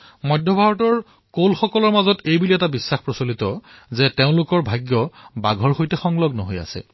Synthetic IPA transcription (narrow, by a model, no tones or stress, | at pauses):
mɔjdʱːɔbʱaɹɔtɔɹ | kolxɔkɔlɔɹmazɔtejbuliɛtabisːaxpɹɔsolitɔzɛteʊ̃lʊkɔɹbʱajɡjɔbaɡʱɔɹxojtɛxɔŋlɔɡnɔɦoja̰sɛ̰